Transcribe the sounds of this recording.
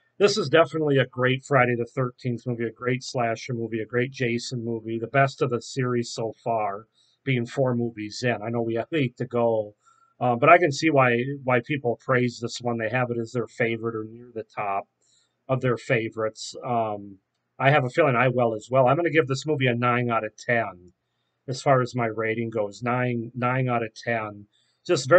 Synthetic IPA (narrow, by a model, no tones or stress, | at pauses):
ðɪsəzdɛfənətˡliɨɡɹeɪtfɹaɪɾeɪɾɨθɜ˞tʰĩnθmuviɨɡɹeɪtslæʃmuviɨɡɹeɪt̚d̥ʒ̥eɪsə̃nmuviðɨbɛstʌvðɨsɪɹiz̥soʊfɑɹ | b̥iɪ̃ŋfɔɹmuvizɪ̃naɪnoʊwiitʰɨɡoʊ | ʌ̃mbʌɾaɪkɨ̃nsiwaɪwaɪpʰipl̩ˠpʰɹ̥eɪzðɪswʌ̃nðeɪɨvɨɾɨzðə˞feɪvə˞ɨɾə˞nɪɹðɨtʰɑp̚ | ʌvðə˞feɪvə˞ɨtsʌ̃m | aɪɨvəfilˠɪ̃ŋaɪwɛlˠəzwɛlˠãɪ̃mɡʌnɨɡɪvðɪsmuviɨnãɪ̃ŋaɾɨtʰɛ̃n | ɨz̥fɑɹɨzmaɪɹeɪɾɪ̃ŋɡoʊznãɪɪ̃ŋnãɪ̃ŋaɾɨtʰɛ̃n | d̥ʒ̥ʌstvɛ